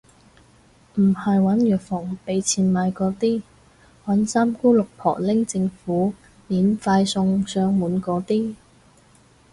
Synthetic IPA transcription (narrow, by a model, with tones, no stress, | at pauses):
m̩˨˩hɐ˨jwɐ˨˥njœː˨k̚fɔː˨˩ŋpe˨˧˥jt͡sʰiː˨˧nmaː˨˧jkɔː˨˧˥t̪iː˥ | wɐ˨˥nsaː˥mkuː˥lʊ˨k̚pʰɔ̰ː˨˩lɪ˥ŋt͡sɪ˧ŋfuː˨˥ | liː˨˥nfaː˧jsʊ˧ŋsœː˧ŋmuː˨˥nkɔː˨˥t̪iː˥